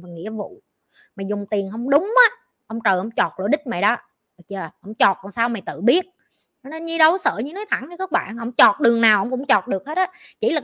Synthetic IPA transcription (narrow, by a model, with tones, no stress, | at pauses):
vaː˨˩ŋḭ˧˥əvṵ˧˨ | maː˨˩zʊ˨˩ŋ͡mt̪i˨˩ənɦə˧wŋ͡mɗʊ˨˦ŋ͡mʔaː˨˦ | ʔə˧wŋ͡mt͡ɕəː˨˩jʔə˧˩wŋ͡mt͡ɕɔ˨˩t̚l̰ɗï˦˥k̟̚ma̰˨˩ɗɔ˨˦˨ | t͡ɕəː˨˩hə̰˧˥˩wŋ͡mt͡ɕɔ˨˩t̚kaː˨˩saː˧wma˨˩jt̪ɨ̰˧˨ɓi˦˥ət̚ | t͡ɕɔ˧ne˧nɲi˧˦ɗə˨˦wsə̰ː˧˨ɲɨ˧˦nɔ˨˦jt̪ʰa˧˩˦ŋɲɨ˧kaː˦˥k̚ɓa̰ː˧˨nhə̰˧˥wŋ͡mt͡ɕɔ˨˩t̚ɗɨ˨˩əŋnaː˨˩wʔə˧˥wŋ͡mkʊ̰˧˥ŋ͡mt͡ɕɔ˨˩t̚ɗɨ˨˩ək̚he˦˥t̚ʔɔː˨˦t͡ɕḭ˧˩laː˨˩